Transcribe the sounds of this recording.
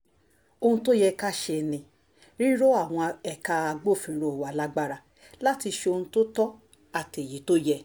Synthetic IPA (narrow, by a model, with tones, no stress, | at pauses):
o˧hũ˧to˦jɛ˧ka˦˨ʃe˧nĩ˧ | ɾi˦ɾo˦a˦˨w̃ɔ̃˧ɛ˨ka˧a˧ɡ͡bo˦˨fĩ˨ɾo˨wa˨la˦ɡ͡ba˦ɾa˧ | la˦ti˧ʃe˧o˧hũ˧to˦tɔ˦ | a˨te˨ji˨˦to˦jɛ˧